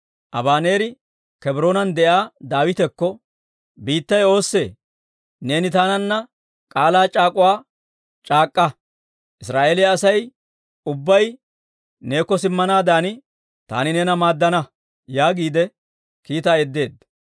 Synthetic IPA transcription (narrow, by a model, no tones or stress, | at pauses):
ʔɐ̰baːne̞ːɾɪ | kɛbɾo̞ːnɐnd̪ɛʔaːd̪aːwɪt̪ɛkːɔ | biːt̪ːɐjo̞ːsːe̞ː | ne̞ːnɪt̪aːnɐnːɐ | kʼaːlaːt͡ʃʼaːkʼʊwaː | t͡ʃʼaːkʼːɐ | ʔɪsɾaːʔeːlɪɐɐsɐj | ʊbːɐj | ne̞ːkːɔsɪmːɐnaːd̪aːnɪ | t̪a̰ːnɪnɛnɐmaːd̪ːɐnɐ | jaːɡiːd̪ɛ | kiːt̪ɐɛd̪ːe̞ːd̪ɐ